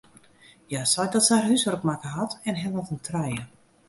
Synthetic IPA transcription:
jasɔjdɔtsarɦysɔrkmakəɦatɛnɦɛʋɔtuntʰrɛjə

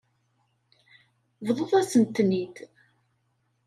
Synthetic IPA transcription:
vðˤoðˤæsənt̪ːnid̪

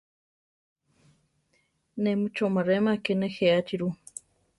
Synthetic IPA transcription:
nemut͡ʃomaɾemakenexeat͡ʃiɾu

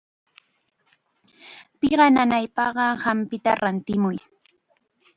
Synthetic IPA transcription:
pɪɢɑnanajpɑɢɑhampɪt̪aɾant̪ɪmʊj

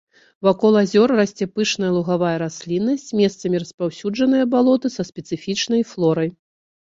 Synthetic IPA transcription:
vakɔlˠazʲɔrːɐsʲt͡sʲɛpɨʂnɐjɐlˠuɣavajɐɾasʲlʲinːɐsʲt͡sʲmʲɛst̪sɐmʲiɾɐspawsʲud͡ʐɐnɨjɐbalˠɔt̪ɨsɐspʲɛt̪sɨfʲit͡ʂnɐjflˠɔɾɐj

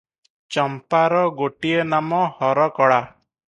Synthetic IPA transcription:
t͡ʃɔmpaɾɔɡoʈienamɔhɔɾɔkɔɭa

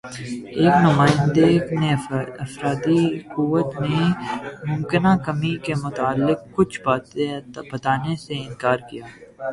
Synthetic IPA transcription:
eːknʊmaːɪ̃nd̪eɡnẽɐfɾaːd̪ikuʋət̪mẽmʊ̃mkɪnakɐmikemʊt̪aːlːɪk̚kːʊt͡ʃʰbaːebɐt̪aːneseɪ̃nkaːɾkijaː

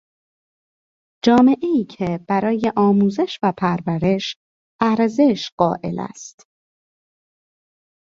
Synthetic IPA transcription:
d͡ʒɒːme̞ʔeiːcʰeb̥æɾɒːje̞ʔɒːmuːze̞ʃvæpʰæɾvæɾe̞ʃ | æɾze̞ʃɢ̥ɒːʔe̞̰læ̰st̪

